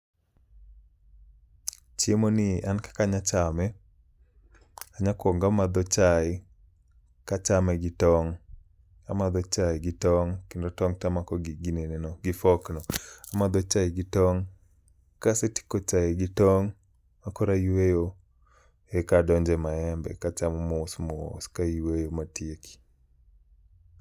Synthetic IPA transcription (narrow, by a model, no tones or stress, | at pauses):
t͡ʃjemonɪankḁkaɲat͡ʃamɛ | aɲakwɔŋɡamad̪ɔt͡ʃaɪ | kat͡ʃamɛɡɪtɔŋ | amad̪ɔt͡ʃaɪɡɪtɔŋkendotɔŋtamakɔɡɪɡinenenɔɡɪfɔknɔamad̪ɔt͡ʃaɪɡɪtɔŋ | kaseti̥kot͡ʃaɪɡɪtɔŋ | akɔɾaiwejo | ekadɔɲd͡ʒɛmaɛmbɛ̰kat͡ʃamɔmɔsmɔo̰skaiwejomatieki̥